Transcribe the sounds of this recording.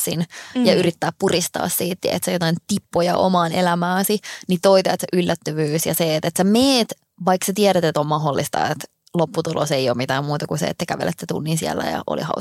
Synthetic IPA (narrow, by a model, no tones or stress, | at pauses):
sinjɑyrit̪ːæːppurist̪ɑ̰ːssiːt̪jɑ̰ʔḛt̪sejot̪ɑint̪ipːojɑ̰ʔo̰mɑːnelæmæːsinit̪oit̪eet̪seʔylːæt̪ːøʋyːsjɑseːt̪et̪semeːt̪ | ʋɑiksæt̪iæɾæt̪et̪ommɑɦolːist̪ɑ̰et̪ | lopːut̪ulʔoseijoːmit̪æːmmuːt̪ɑkusḛḛt̪ːækæʋḛlet̪set̪ṵnːinsiæ̰lːæ̰jɑ̰ʔo̰lḭhɑ̰u